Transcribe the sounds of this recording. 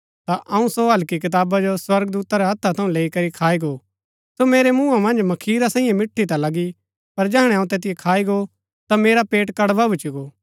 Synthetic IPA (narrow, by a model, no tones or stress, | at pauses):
t̪aʔɐũsoɦɐlkik̬ɪt̪aːbad͡ʒoswɐɾɡd̪uːt̪aɾɛɦɐt̪ʰːat̪ʰɐũleːikɐɾikʰaːiɡoː | someːɾemũːamɐ̃nd͡ʒmɐkʰiːɾasãːĩjẽmɪʈʰːit̪alɐɡi | pɐɾd͡ʒɛɦɽ̃ɛɐũt̪eːt̪ɪjekʰaːiɡo | t̪ameːɾapeːʈkɐɽʋabʱʊt͡ʃiɡoː